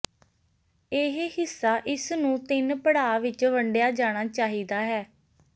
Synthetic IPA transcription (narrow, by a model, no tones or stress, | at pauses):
eːɦhɪsːaːʔɪsnũːt̪ɪnpəɽaːʋɪt͡ʃʋəɳɖejaːd͡ʒaːɽ̃aːt͡ʃaːɦiːd̪aːɦɛː